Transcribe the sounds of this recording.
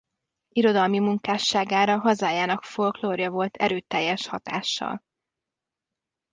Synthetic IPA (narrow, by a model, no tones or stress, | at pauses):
iɾo̞d̪ɒlmimuŋkaːʃːaːɡaːɾɒɦɒzaːjaːnɒkfo̞lkloːrjɒvo̞lt̪ʰɛ̰ɾøːt̪ɛjːɛʃhɒt̪a̰ːʃːɒ̰l